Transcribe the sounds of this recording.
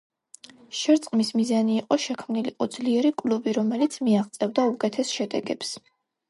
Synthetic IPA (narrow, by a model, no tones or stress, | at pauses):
ʃɛɾt̪sʼqʼmismizaniːqʼɔʃɛkʰmniliqʼɔd̪zliɛɾikʼlubiɾɔmɛlit̪sʰmiaʁt̪sʼɛvd̪aukʼɛt̪ʰɛsʃɛd̪ɛɡɛps